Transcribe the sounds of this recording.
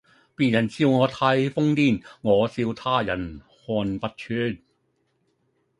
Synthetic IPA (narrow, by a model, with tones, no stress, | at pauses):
piː˨njɐ˨˩nsiː˧wŋɔː˨˧˥t̪ʰaː˧jfʊ˥ŋt̪iː˥˩nŋɔː˨˧siː˧wt̪ʰaː˥˩jɐ̰˨˩n | hɔː˧npɐ˧t̚t͡ʃʰyː˨˥n